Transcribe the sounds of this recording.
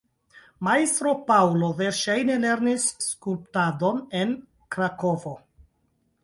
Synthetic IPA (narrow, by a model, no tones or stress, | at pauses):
maist̪ɾo̞pawlo̞veɾʃajne̞le̞ɾnisːkulptado̞ne̞n | kɾako̞vo